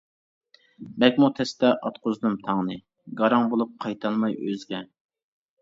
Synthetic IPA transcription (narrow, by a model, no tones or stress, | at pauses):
bɛkʲmut̪ʰɛst̪ɛʔɑt̪̚qʰozd̪ɨmt̪ʰɑŋnɨ | ɡɑɾɑŋbolˠup̚qʰɑjt̪ʰɑlˠmɑjøzɡʲɛ